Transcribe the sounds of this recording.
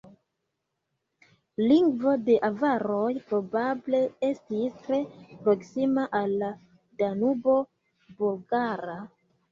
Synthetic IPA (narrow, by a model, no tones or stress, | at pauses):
liŋɡvo̞de̞ʔavaɾo̞jpɾo̞bable̞e̞stistɾe̞pɾo̞ksimaʔalːa | danubo̞ | bulɡaɾa